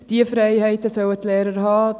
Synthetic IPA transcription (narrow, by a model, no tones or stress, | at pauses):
d̥iəfrɛjɦɛɪtəsœwətlɛːɾərɦɑː